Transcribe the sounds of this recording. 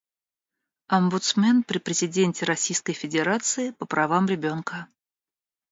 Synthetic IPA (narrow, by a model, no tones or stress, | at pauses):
ɐmbʊt̪smʲenpɾʲɪpɾʲɪzʲɪdʲenʲtʲɪɾɐsʲijskəjfʲɪdʲɪɾat̪sɨɪpəpɾʔɐvamɾʲɪbʲo̞nkə